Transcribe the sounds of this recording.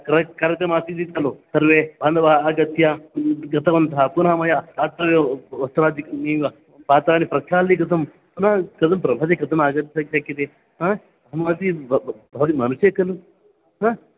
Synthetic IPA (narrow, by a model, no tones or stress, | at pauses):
kɾɐkɐɾɐt̪ɐmasid̪it̪ɐlusɐɾʋebʱɐnd̪ɐʋaːɐːɡɐt̪jɐɡɐt̪ʰɐʋɐnt̪aːpunɦamɐjaat̪ɐɾʋeʋɐst̪uɾaːd̪ikiː | paːt̪ɾaːnipɾɐkʰjaːlːikɐt̪ʰɐm | punakɐt̪ʰɐmpɾɐbʱɐd̪ekɐt̪ʰɐmaɡɐt̪sɐksɐkːɐt̪e | ɦa | ɦɐnaːt̪ibʱɐʋɐt̪imɐnuʃjɐkɐlu | ɦã